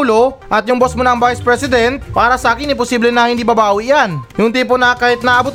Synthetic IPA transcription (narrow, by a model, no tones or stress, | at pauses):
loʔɐt̪jʊŋbosmʊnɐɐŋvajspɾɛsɪd̪ɛnt̪̚paːɾɐsɐʔaːkɪnɪpʊsiːblɛnɐhɪnd̪iːbɐbaːwɪʔjanjʊŋt̪iːp̬onɐkaːhɪt̪̚nɐʔɐbʊt̪